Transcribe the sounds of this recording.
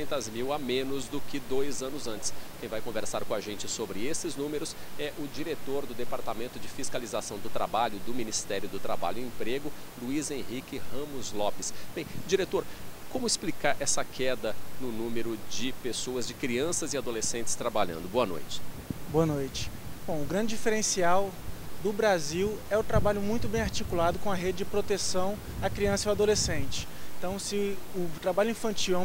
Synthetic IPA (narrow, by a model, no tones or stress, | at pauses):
ẽnt̪ɐzmiwamẽnʊzd̪ʊkɪd̪ojzɐ̃nʊzɐ̃nt͡ʃɪ̥skẽj̃vajkõveɾsaɾkõaʒẽnt͡ʃɪsobɾɪesɪznũmeɾʊsɛʔʊd͡ʒiɾet̪oɾd̪ʊd̪epaɾt̪amẽnt̪ʊd͡ʒɪfiskalizasɐ̃w̃d̪ʊt̪ɾabaʎʊd̪ʊminist̪ɛɾjʊd̪ʊt̪ɾaba̰ʎʊiẽpɾeɡʊluizẽɦikɪhɐ̃mʊzlɔpɪsb̥ẽj̃d͡ʒiɾet̪oɾkõmʊɪsplikaɾʔɛsɐkʰɛd̪ɐnʊnũmeɾʊd͡ʒɪpesoɐzd͡ʒɪkɾiɐ̃sɐzɪad̪olesẽnt͡ʃɪ̥st̪ɾabaʎɐ̰̃nd̪ʊboɐno̰jt͡ʃɪ̥boɐnojt͡ʃɪ̥ | b̥õʊɡɾɐ̃d͡ʒɪd͡ʒifeɾẽsiawd̪ʊbɾaziwɛʊt̪ɾabaʎʊmũj̃t̪ʊbẽj̃aɾt͡ʃikulad̪ʊkõɐɦed͡ʒɪd͡ʒɪpɾot̪esɐ̃w̃ | ɐkɾiɐ̃sɐioad̪olesẽnt͡ʃɪ̥ẽt̪ɐ̃w̃sɪʊt̪ɾabaʎʊĩfɐ̃nt͡ʃiwɛ̃